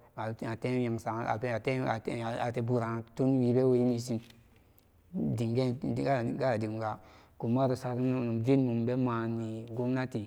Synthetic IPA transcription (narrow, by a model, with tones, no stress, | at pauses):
a˨a˨te˦ja˨ŋsa˨a̰˨be˦˨te˦a˨a˨te˦bu˨ɾa˨tu˦nwi˨be˦we˨ji˦ni˨˦si˦n | di˨ŋɡe˦˨ɡa˦˨ɡa˦˨di˨ŋ˨ɡa˨ku˨ma˦ɾo˨sa˨ɾi˦˨nu˨mvi˦nmu˨mbe˦ma˨ni˨ɡo˦mna˦ti˨